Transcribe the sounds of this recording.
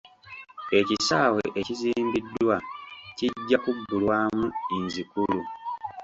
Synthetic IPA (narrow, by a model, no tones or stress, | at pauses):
e̞cisaːweʔeciziːmbidːwaciɟːakuɡːulwaːmuiɲzikulu